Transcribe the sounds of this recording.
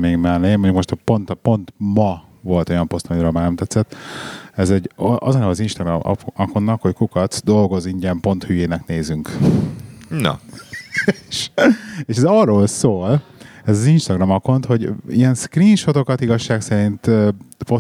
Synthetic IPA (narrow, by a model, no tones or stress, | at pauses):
meːɡmɛlneːmoɲɟukmo̞ʃt̪po̞nt̪po̞nt̪mɒ | vo̞lt̪o̞jɒmpo̞st̪ɒmiɾøːlmaːɾnɛmt̪ɛt̪sːɛt̪ːɛzɛɟɒzɒnɛɒzinʃt̪ɒɡr̰ɒko̞nːɒkho̞ckukɒt̪sd̪o̞lɡo̞ziɲɟɛmpo̞nt̪hyjeːnɛkneːzyŋk | nɔ̰ | ʃeːʃɛzɒːrːoːlsoːl | ɛzɒzinʃt̪ɒɡrɒmɒko̞nt̪ho̞ɟḭɛnskriːnʃo̞t̪o̞kɒt̪iɡɒʃːaːksɛɾint̪øpo